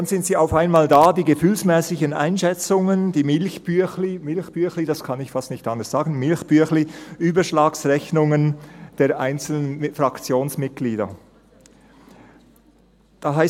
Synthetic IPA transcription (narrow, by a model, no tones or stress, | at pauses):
d̥anz̥ɪntsiːaʊfaɪnmaːldaːdiːɡəfyːlsmɛːsɪçənʔa̰ɪnʃɛt͡sʊŋənd̥iːmɪlçb̥yçlimɪlçb̥yɐçlidaskʰɑnɪçfɑstnɪçtʔɑndəsz̥aːɡn̩mɪlçb̥ʏɐçliʔyːbɐʃlaːksʁɛçnʊŋənd̥eːɐʔaɪnt͡sl̩ənfʁakt͡sjoːnsmɪt̚ɡ̥liːdɐ̰ | d̥aɦaɪ